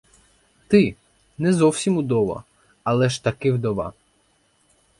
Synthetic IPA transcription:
t̪ɪ | nɛzɔwsʲimud̪ɔʋɐ̰ | ɐlˠɛʃt̪ɐkɪwd̪ɔʋɑ̰

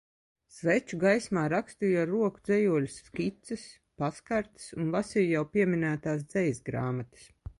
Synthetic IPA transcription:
svɛt͡ʃuɡajsmaːɾakst̪ijaɾuɔkud̪zɛjuɔlʲusːkʲit̪sɨs | paskaɾt̪ɨ̥sunvasijjawpʲiɛminæːt̪aːs̬d̪zɛjsɡɾaːmat̪ɨ̥s

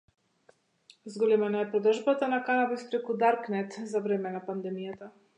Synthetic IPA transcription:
zɡɔlimɛnaɛpɾɔd̪rʒbat̪anakanabispɾɛkud̪aɾknɛt̪zavɾɛmɛnapand̪ɛmijat̪a

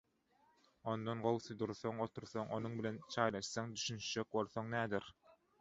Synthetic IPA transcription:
o̞nd̪onɢo̞lˠsud̪uɾθoŋot̪ʰuɾθoŋʔonuɴbilʲent͡ʃʰɑjlˠɑʃsɑŋd̪yʃynʃt͡ʃøk̚bo̞lˠθoŋnæːd̪iɾ

